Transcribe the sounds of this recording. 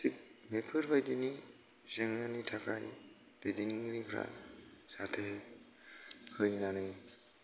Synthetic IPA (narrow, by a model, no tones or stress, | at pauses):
sik̚mepʰɯɾbajdini | zeŋɾanitʰakʰa̰j | d̥ejdiniɾikʰɾa̰satʰe | hɯjnanɯj